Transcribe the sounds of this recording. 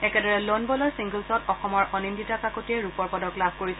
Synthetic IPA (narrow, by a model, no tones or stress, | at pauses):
ɛkɛdɔɹɛlɔnbɔlɔɹsiŋɡəlsɔtɔxɔmɔɹʔɔnimditakakotiɛɹupɔɹpɔdɔklabʱkoɹisɛ